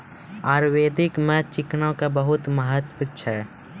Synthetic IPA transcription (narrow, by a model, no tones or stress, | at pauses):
aːɾweːd̪ʱɪkmẽt͡ʃɪknõkabəɦʊt̪məɦət̪put͡ʃʰɛ